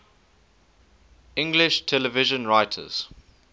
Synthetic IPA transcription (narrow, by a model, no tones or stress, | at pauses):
ɪ̃ŋɡlɪʃtʰɛləvɪʒə̃nɹaɪtʰə̰z̥